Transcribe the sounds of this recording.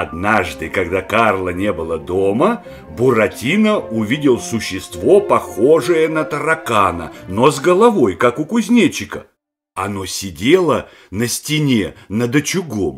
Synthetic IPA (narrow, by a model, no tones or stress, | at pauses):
ɐd̪naʐd̪ɨkɐɡd̪akarlˠənʲebɨlˠəd̪omə | bʊɾɐtʲinəʊvʲidʲɪlˠsʊɕːɪst̪vopɐxoʐɨjənət̪əɾɐkanə̰nozɡəlˠɐvo̞jkakʊkʊzʲnʲet͡ɕɪkə̰ | ɐnosʲɪdʲelˠə | nəsʲtʲɪnʲenəd̪ət͡ɕʊɡom